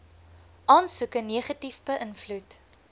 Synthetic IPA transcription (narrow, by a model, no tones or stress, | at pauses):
ʔɑːnsukəniəχɐtifbəʔənflut